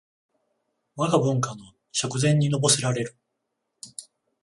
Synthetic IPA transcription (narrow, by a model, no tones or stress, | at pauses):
βaɡabɯ̟̃ŋkano̞ | ɕakɯ̟zẽ̞ɲ̟ːino̞bo̞seɾaɾe̞ɾɯ̟